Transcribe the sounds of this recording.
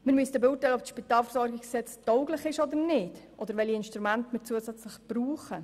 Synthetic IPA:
mɪɾmyəsdəbuːtɛɪlɔpsʃpitɑːlfəɾzɔɾɡɪkssɛt͡stɔʊɡlɪχɪʃɔd̪ənɪd̥ʔɔd̪əɾʋɛliɪnʃtɾumæntmɪt͡suːəsæt͡sləχb̥ɾuːχə

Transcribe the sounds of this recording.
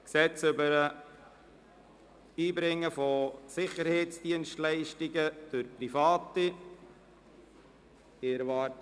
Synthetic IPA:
ksɛt͡sʏbəɾə | iːbɾɪŋːəfosɪχəɾheɪt͡sd̥iənʃtlɛɪʃtiɡəd̥ʊɾprifɑːti | ɪɾvɑː

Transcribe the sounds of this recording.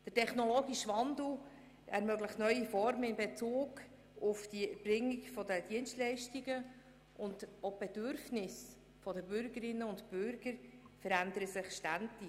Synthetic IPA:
d̥ətʰɛχnɔlɔːɡiʃʋɑndl̩ | ʔɛɾmœɡləχtnœʏifɔɾməɪnbet͡suːɡ | ʊfd̥ibrɪŋːiɡfɔdəd̥iənstlɛɪʃtiɡə | ʔʊndob̥edʏɾfnɪs | fɔdəbʏɾɡəɾɪnːəʊntbʏɾɡ̥əɾfəɾændəɾəsɪχʃtændi

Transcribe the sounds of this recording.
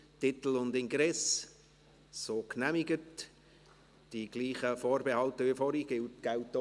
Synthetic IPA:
tɪt̪l̩ʊndɪŋɡɾɛs | soːknæmɪɡət | d̥iɡ̥liːχəfoːɾbehɑltəʋifɔɾiɡ̥ɪltɡ̥æʊtː

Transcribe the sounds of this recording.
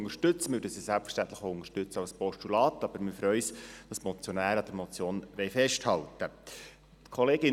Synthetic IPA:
ŋəɾʃtɵt͡səmyɾdəsiːsælpfə̥ʃtænt̪ləχoʊŋəɾʃtʏt͡səɑlspɔʃtulɑːt̪ɑb̥əɾmɪfɾœʏsd̥ɑsmɔt͡sjonæːɾɑd̥̪əɾmɔt͡sjoːnʋɛɪfɛʃthɑltə | t̪kʰɔleːɡɪ

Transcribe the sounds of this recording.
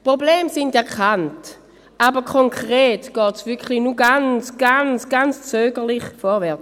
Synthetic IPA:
pʁobleːmsɪndɛɐkant | ʔabəkʰoŋkʰʁeːtɡ̥ɔːtsvʏɐkχlinuɡant͡sɡ̥ant͡sɡ̥ant͡st͡søːɡəʁliχfɔʁvɛɐt͡s

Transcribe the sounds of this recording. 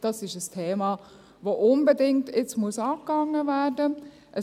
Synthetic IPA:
d̥ɑsɪʃəstʰeːmɑː | voːʔʊnbədɪŋtɪt͡smuəsɑːp̚kɑŋːəvæːdə | ʔə

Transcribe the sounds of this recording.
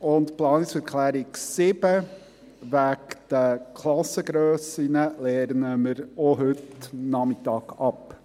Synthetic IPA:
ʊntplɑːnɪksɛɾkʰlæːɾɪksɪb̥ə | ʋækd̥əkʰlɑsəɡɾøːsinəlɛɾnəməɾɔɦɵtnɑmɪtɑːɡ̥ɑp

